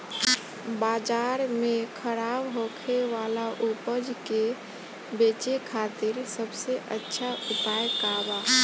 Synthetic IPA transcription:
bad͡ʒaɾmekʰəɾabɦokʰeʋalaʔupəd͡ʒke | bet͡ʃekʰat̪iɾsəbseʔətːʃʰaupajkaba

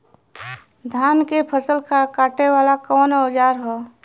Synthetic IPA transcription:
d̪ʱaːnkepʰəsəlkakaːʈewaːlakɔːnɔːd͡ʒaːɾɦɔː

